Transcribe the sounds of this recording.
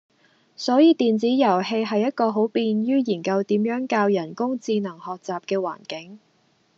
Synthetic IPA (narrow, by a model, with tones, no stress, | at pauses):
sɔː˨˥jiː˨˧t̪iː˨nt͡siː˨˥jɐ˨˩whe˧jɦɐ˨jːɐ˥t̚kɔː˧ɦo˨˥wpiː˧njyː˥jiː˨˩nkɐ˧wt̪iː˨˥mjœː˨˥ŋkaː˧wjɐ˨˩nkʊ˥ŋt͡siː˧nɐ˨˩ŋhɔː˨k̚t͡saː˨p̚kɛː˧wa̰ː˨˩nkɪ˨˥ŋ